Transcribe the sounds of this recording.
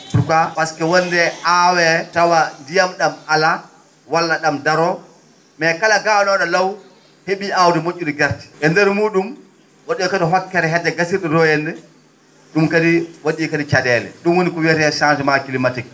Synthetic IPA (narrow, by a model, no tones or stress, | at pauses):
tukawaskɛwɔndɛʔawɛtawandijamɗamala | walːaɗamdaɾɔ | mɛkalaɡawnɔɗɔlaw | heɓiʔawdɛmoʔːuɗiɡaɾti̥ʔɛndɛɾmuːɗum | woɗijɔkadɔɦɔkːɛɾɛɦɛdːɛɡasiɾɗɛdɔjɛndɛ | ɗumkadiwoɗikadit͡ʃadɛːlɛ̰ɗumwonikɔwɛtɛsantɛmakilimatik̚